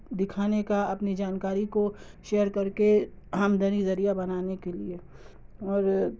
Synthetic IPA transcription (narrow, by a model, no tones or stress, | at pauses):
d̪ɪkʰaːnekaɐpnid͡ʒaːnkaːɾiko | ʃeːjəɾkɐɾke | amd̪ʱənizɐɾijabɐnaːnekelie | ɔːɾ